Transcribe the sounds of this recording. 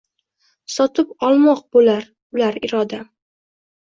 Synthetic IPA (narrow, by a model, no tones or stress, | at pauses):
sɒt̪ʰɪpɒlˠmɒq̚bolaɾ | ʊlaɾɪɾɒd̪a